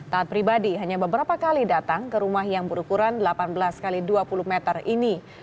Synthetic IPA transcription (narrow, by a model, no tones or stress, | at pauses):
t̪aːt̪̚pɾibadiɦaɲabəbəɾapakalidat̪aŋkəɾumahjaŋbəɾukuɾandlapanbəlaskaliduapuluhmɛt̪ərini